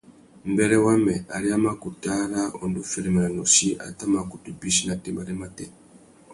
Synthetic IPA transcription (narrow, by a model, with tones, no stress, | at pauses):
m̩˨bɛ˦ɾɛ˦wa˦mɛ˨ʔa˨ɾi˦a˦ma˦ku˨ta˦ɾa˦ɔ˨ndu˦fɛ˦ɾɛ˨ma˨a˨nɔ˨ʃi˦ʔa̰˨ta˦ma˨ku˨tu˨bi˦ʃi˦na˨tɛ˦mba˨ɾɛ˦ma˦tɛ˦